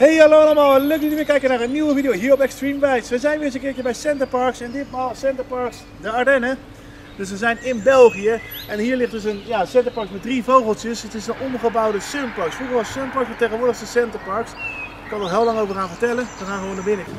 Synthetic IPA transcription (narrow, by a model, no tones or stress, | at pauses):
hejɦɑlowɑləmaːlˠløk̚tynʋɪkɛjkənaːɹənːiwəvidijowɦiːɹɔpɛkstrimʋɛjtsʋəzɛjnʋɪːɹəs̬əŋkɪːɹt͡ʃəbɛjsɛntəɹpɑɹksɛndɪtmaːlˠsɛntəɹpɑɹks | dəaɹdɛnə | d̥ɵs̬ʋəzɛjnɪnbɛlˠχijəʔɛnɦiːɹlɪχtdɵs̬ənjaːsɛntəɹpɑɹksmɛt̚drivowχəlˠtəsətɪsənʔɔmχəbɑwdəsømpɑɹksfruχəɑsømpɑɹksfɔtejχənʋʊːɹdəχstəsɛntəɹpɑɹksɪkːɑnɔɦɪːlɑŋowvəɹraːnvəɹtɛlənsəχaːχəʋonaːbɪnə